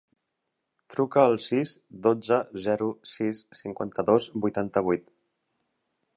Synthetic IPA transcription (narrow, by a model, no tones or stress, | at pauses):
t̪ɾukəːlˠsizd̪od͡zəzɛɾusisːiŋkwant̪əðozbujt̪ant̪əβ̞ujt̪